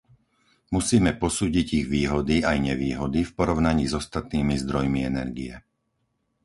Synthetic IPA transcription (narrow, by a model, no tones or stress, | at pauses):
musiːmɛpɔsuːɟiɟiɣʋiːɦɔd̪iajɲɛʋiːɦɔd̪ifpɔɾɔʊnaɲiːzɔst̪at̪niːmizd̪ɾɔjmiɛnɛ̰ɾɡiɛ̰